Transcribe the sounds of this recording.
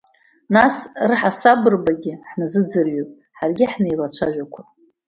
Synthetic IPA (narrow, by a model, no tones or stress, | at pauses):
nasrɨħasabɨrbaɡʲɪħnɨzɨd͡zɨrɥopʼ | ħarɡʲɪħnejlat͡ɕʷʰaʒʷᶣakʷʰa